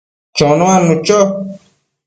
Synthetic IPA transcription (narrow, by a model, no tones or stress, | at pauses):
t͡ʃõnowanut͡ʃɔ